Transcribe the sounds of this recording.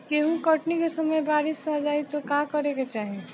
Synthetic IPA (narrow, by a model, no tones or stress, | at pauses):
keɦũkɐʈnikesɐməjbaːɾɪsad͡ʒaːit̪okakɐɾeket͡ʃaːɦe